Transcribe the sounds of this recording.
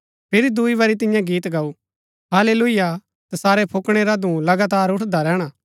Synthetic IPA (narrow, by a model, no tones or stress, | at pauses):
pʰɪɾid̪uiʋɐɾit̪̬ɪ̃jãɡiːt̪ɡɐu | ɦaːleːlʊɪja | t̪ɐsaːɾɛpʰʊkɽ̃eɾad̪ũlɐɡaːt̪aːɾʊʈʰd̪aɾɛːɽ̃a